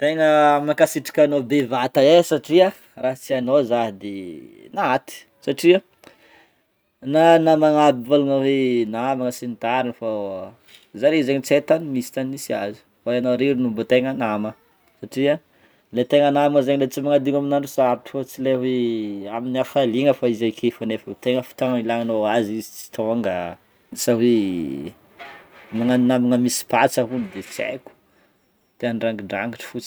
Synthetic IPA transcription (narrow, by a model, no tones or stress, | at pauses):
t̪eŋəmakasiʈ͡ʂḁkʲanobevat̪aesaʈ͡ʂia | raɦt͡sianozaɦid̪inat̪i̥ | saʈ͡ʂia | nanamaŋabivaluŋəwenabaŋəsinit̪aɾinəfa | zaɾizeɲit͡set̪animisi̥t̪anisia̰zi̥ | waanoɾiɾinumbət̪eŋanamə | saʈ͡ʂia | let̪eŋanaməzeɲilet͡simaŋad̪iŋaminaɳɖ͡ʐusaabiʈ͡ʂi̥fot͡sileɦweaminiafaliŋəfaizajkʰefanefət̪eŋəfi̥t̪aŋailaŋanoazizit͡si̥t̪ʰaaŋɡa | sawe | maŋanamiŋəmisi̥pat͡səɦunid̪et͡sḛku̥ | t̪eanɖ͡ʐaŋɡiɳɖ͡ʐa̰ŋiʈ͡ʂi̥fut͡s